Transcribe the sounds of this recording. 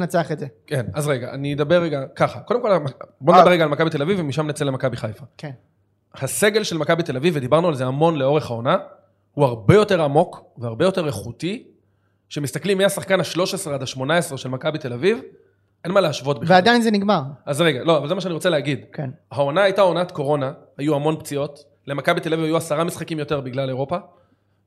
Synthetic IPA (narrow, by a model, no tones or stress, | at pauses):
nat͡seaχezekenazʁeɡaʔa̰nied̪abeʁːeɡakaχako̞d̪emko̞labondaeʁeɡaːlmakabit̪e̞lavivemiʃamnet͡selemakabiχajfak | hase̞ɡe̞lʃelmakabit̪e̞lavivːed̪ibaʁnualzeamo̞nleo̞ʁe̞χhaona | huaʁbe̞jo̞te̞ʁamo̞kveaʁbe̞jo̞t̪e̞ʁeχuti | ʃe̞mist̪aklimːiasaχkanhaʃlo̞ʃesʁeadaʃmo̞nae̞sʁeʃe̞lmakabit̪e̞laviv | ʔe̞nmaleaʃvotbiveadajnzeniɡmaʁazʁeɡalo̞avalzemaʃeaniʁot͡seleaɡid̪hao̞naajtao̞nat̪ko̞ʁo̞nahajuamo̞npt͡sio̞t | le̞makabit̪elavivajuasaʁamisχakimjo̞t̪e̞ʁbiɡlale̞ʁo̞pa